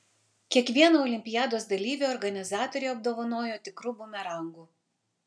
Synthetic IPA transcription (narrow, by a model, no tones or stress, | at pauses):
kʲiɛkʋʲiɛnoːɔlʲɪmʲpʲɪjæːd̪oːs̬d̪ɐlʲiːʋʲeɔɾɡɐnʲɪzɑːt̪ɔɾʲeɐb̚d̪oːʋɐnoːjoːt̪ʲɪkɾʊbumʲɛɾɐŋɡuː